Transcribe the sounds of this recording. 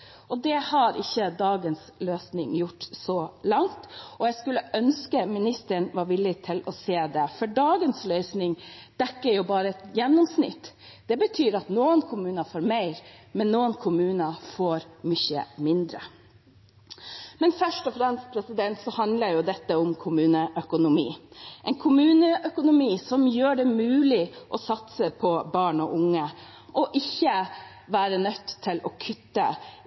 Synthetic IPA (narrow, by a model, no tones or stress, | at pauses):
ʔɔd̪ɛhɑɾʔɪçːəd̪ɑːɡənsløːsnɪŋjʊʈːsɔlɑŋt̪ɔjɛɡskʉlːəʔœnskəmɪnɪst̪əɳʋɑɾʋɪlːɪt̪ʰɪlɔseːd̪ɛfɔɖɑːɡənslœʏsnɪŋd̪̥ɛkːəɾjʊbɑːɾəɛt̪jɛnːɔmsnɪ̰t̪ː | d̪̥ɛbət̪ʰyːɾɑt̪nuːənkʰʊmʉːnəfoːɾmæɪɾmɛnːuːənkʰʊmʉːnəfoːɾmʏçə̰mɪnd̪ɾə̰ | mɛnfœʂʈɔfɾɛmst̪pʰɾɛsɪd̪ɛnt̪sɔhɑnd̪ləɾjʊd̪ɛt̪ːəʊmkʰʊmʉːnəʔœkʊnʊmḭːʔɛɪnkʰʊmʉːnəʔœkʊnʊmiːsɔmjøːɖɛmʉːlɪʔɔsɑt̪səpʰɔbɑːɳɔʔʊŋːəʔɔʔɪçːə | ʋæːɾənœt̪ːt̪ʰːɪlɔkʰʉt̪ːə̰